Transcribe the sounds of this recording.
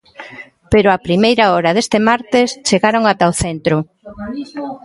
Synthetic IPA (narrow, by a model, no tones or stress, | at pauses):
peɾʊapɾimejɾaɔɾaðest̪emaɾt̪ɪst͡ʃeɣaɾoŋat̪aoθent̪ɾʊ